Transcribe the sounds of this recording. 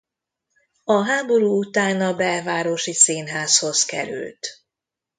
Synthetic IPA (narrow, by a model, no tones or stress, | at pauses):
ɒɦaːbo̞ɾuːut̪aːnɒbɛlvaːɾoʃiseːnɦaːsho̞zkɛ̰ɾy̰lt̪